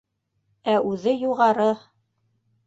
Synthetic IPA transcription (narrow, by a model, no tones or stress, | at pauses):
æʉðɘjuʁɑɾɤ